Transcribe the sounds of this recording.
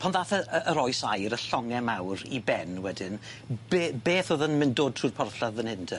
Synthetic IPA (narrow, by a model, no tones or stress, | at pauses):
pʰanðaːθəəəɾɔjsajɾəɬɔŋɛmawɾibɛnwɛdɪnb̥eb̥eːθoðənmɪndoːd̚tʰruːrpʰɔrθaðənhɪntʰə